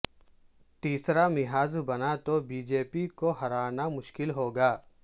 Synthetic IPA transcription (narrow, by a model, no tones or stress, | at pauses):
t̪iːsɾamɪɦaːzbɐnat̪obiːd͡ʒeːpikoɦɐɾaːnamʊʃkɪlɦoːɡaː